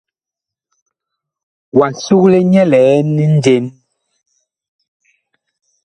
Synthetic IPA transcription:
wa˨n˨su˦kle˦ɲɛ˦lɛː˨˦ni˦n̩˦de˦n

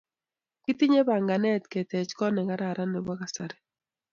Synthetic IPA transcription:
ki˦ti˦ɲe˦ba˨ŋɡa˨nɛ˦tke˨tɛ˨t͡ʃkɔ˦nɛ˨ka˦ɾa˨ɾʔa˦ne˨ba˦ka˨sa˨ɾɛ˨

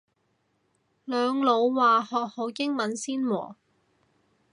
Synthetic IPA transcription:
lœː˨˧ŋlo˨˧wwaː˨hɔː˨k̚ho˨˧˥wkɪ˥ŋmɐ˨˥nsiː˥nwɔ̰ː˨˩

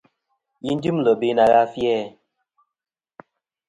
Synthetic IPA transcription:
ji˦n̩˦di˦mlə˨be˦na˨ɣa˦fjɛ˦˨

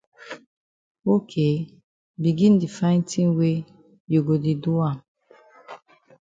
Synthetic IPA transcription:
o˦kʰe˨ | bi˨ɡĩ˦n˦di˨fa˦ɪ̃˦ntʰĩ˦ŋwe˦ | jo˨ɡo˨di˨du˦a˦˨

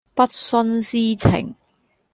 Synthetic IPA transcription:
pɐ˥t̚sɔ˥nsiː˥t͡sʰɪ̰˨˩ŋ

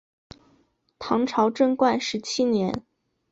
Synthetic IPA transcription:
t̪ʰɑ˧˥ŋʈ͡ʂʰɑ˧˥ʊʈ͡ʂɤ˥˧ŋkwa˥˩nʂɻ̩˧˥t͡ɕʰi˥njɛ˧˥n

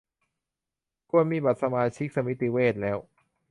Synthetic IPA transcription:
kʰu˧˩ənmiː˧˩ba˨˩t̪̚sa˧maː˧t͡ɕʰi˦˥k̚sa˧mi˦˥t̪i˧˥weː˥˩t̪̚lɛː˦˥w

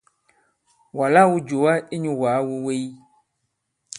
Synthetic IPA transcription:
wa˨la˦wo˦d͡ʒo˨wa˦e˦ɲũ˨wa˨˦wo˨we˦ji˦

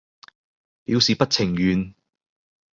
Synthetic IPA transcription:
piː˨˥wsiː˨pɐ˥t̚t͡sʰɪ˨˩ŋjyː˨˧n

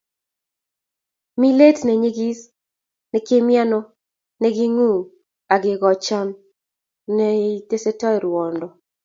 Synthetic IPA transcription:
mi˦le˦tnɛ˨ɲi˦ɡi˦s | nɛ˨ke˦mja˦nɔ˦ | nɛ˦ɡi˦ŋu˦˨ | a˨ɡɪ˨ɡɔ˨t͡ʃa˦n | nɛ˦i˦te˦se˦tɔ˦jɾwɔ˨ndɔ˨

